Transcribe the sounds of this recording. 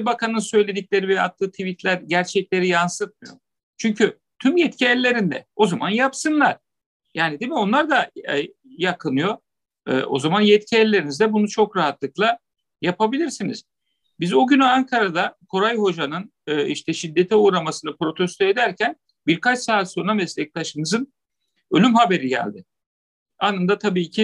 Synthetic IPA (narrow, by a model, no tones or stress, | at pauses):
bakʰanɯnsø̞jlʲe̞d̪icʲlʲe̞ɾivɛa̰t̪ʰːɯːt̪ʰivit̪lʲæɾɟæɾt͡ʃʰɛclʲe̞ɾijansɯt̪̚mɯjo̞̰ | t͡ʃʰyɲcʰy | t̪ʰymjɛt̪cʰiɛlʲːe̞ɾind̪ɛ̰o̞zamanjapsɯnlˠaɾ̥ | jaːnid̪emio̞nlˠaɾd̪a | jakʰɯnɯjo̞ | ɯ̰ːʔo̞̰zamanjɛt̪cʰiɛlʲːe̞ɾinizd̪ɛbunut͡ʃʰo̞kɾaɦat̪lˠɯk̚lˠa | japʰabilʲiɾsiniz̥ | bizoɟynyaŋkʰaɾad̪akʰo̞ɾajho̞d͡ʒanɯnɯːiʃt̪ʰɛʃid̪ːet̪ʰɛuɾamasɯnɯpɾo̞t̪ʰɛst̪ʰoed̪æɾcʰæn | biɾkat͡ʃsaːt̪sonamɛslʲɛc̚t̪ʰaʃɯnɯzɯn | ø̞lʲymhabe̞ɾiɟæ̰lʲd̪ɪ | anɯnd̪at̪ʰabiːcʰɪ